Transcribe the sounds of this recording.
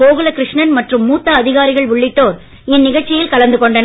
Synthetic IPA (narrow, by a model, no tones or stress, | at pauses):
oːɣɯlɐkɾɪʂɳɐnmɐʈrɯmːuːt̪ːɐːðɪɣaːɾɪɣɐɭʋʊɭːɪʈːoːɾ | ɪnːɪɣɐt͡ʃːɪjɪlkɐɭɐnd̪ɯkɔɳɖɐn